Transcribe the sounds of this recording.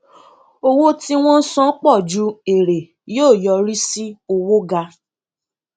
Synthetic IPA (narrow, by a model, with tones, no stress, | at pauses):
o˦wo˦tĩ˧w̃ɔ̃˦sɔ̃˦k͡pɔ˦˨d͡ʒu˨˦e˨ɾe˨ | joː˦˨jɔ˧ɾi˦si˦o˧wo˦ɡa˧